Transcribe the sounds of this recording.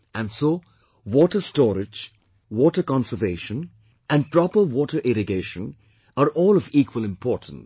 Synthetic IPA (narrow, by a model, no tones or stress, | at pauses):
æ̃nsoː | wɔːʈəstɔːɾɪd͡ʒ | wɔːʈəkɑ̃nsəveːʃə̃n | æ̃npɾɔpəwɔːʈəɾʔɪɾɪɡeːʃə̃n | əɾʔɔːlɔviːkʰwəlɪ̃mpʰɔːtn̩s